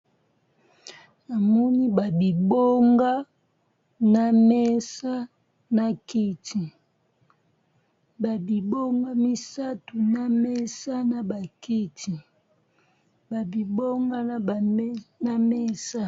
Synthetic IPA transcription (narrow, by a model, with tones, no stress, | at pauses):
a˨mɔ˦ni˦ba˨bi˨bo˦ŋɡa˦ | na˨me˦sa˦ | na˦ki˦ti˨ | ba˨bi˨bo˦ŋɡa˦mi˦sa˦tu˨na˦me˦sa˦na˨ba˨ki˦tʰi˨ | ba˨bi˨bo˦ŋɡa˦na˨˦˨na˦me˦sa˦